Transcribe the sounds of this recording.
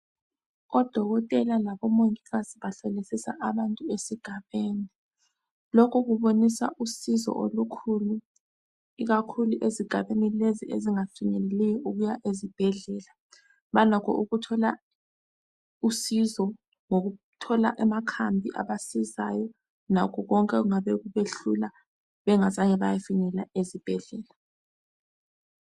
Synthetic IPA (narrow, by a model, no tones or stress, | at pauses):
ɔd̥ʱɔɣɔtʼɛlalaβɔmoŋiɣaziβaɬɛlisisa̰ʔaβantʼuesiɡ̥ʱaβeːni | lɔkʰɔɣuβonisa̰ʔusizɔ̰ʔolukʰulu | iɣakʰuluʔeziɡ̥ʱaβenileziʔḛziŋaǀiŋɛlɛlɛjɔʔuɣujaʔezib̥ʱɛɮɛːla | βalɔkʰɔ̰ʔuɣutʰɔla | usizɔ | ŋoɣu | tʰɔlaʔamakʰambʱḭʔa̰βasiza̰jɔ | nakʰɔɣɔŋkʼɛɣuŋaβɛɣuβeɬula | βɛŋazaɲɛβajafinɛlaezib̥ʱɛɮɛːla